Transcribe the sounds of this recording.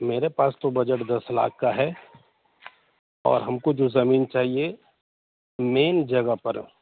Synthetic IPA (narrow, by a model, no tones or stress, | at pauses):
meːɾepaːst̪obɐd͡ʒəʈd̪ɐsla̰ːkʰkːaɦɛː | ɔ̰ːɾɦɐmkod͡ʒozɐmiːnt͡ʃaːɦie | meːnd͡ʒɐɡəpɐɾ